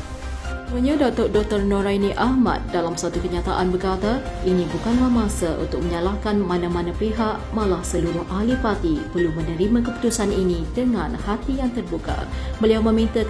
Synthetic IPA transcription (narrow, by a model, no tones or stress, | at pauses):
muɲadɔk̚t̪ɔrdɔk̚t̪ɔrnõɾajniʔahma̰t̪̚dalamsat̪ukəɲat̪aʔanbərkat̪ainibukanlahmãsaʔṵnt̪ʊk̚məɲalahkanmanamãnapeɦaʔmãlahsəluɾʊhʔalipat̪ipərlumənəɾimãkəpu̥t̪usaninidəŋãnhat̪ijaŋt̪ərbuka̰bəliawmə̃mint̪a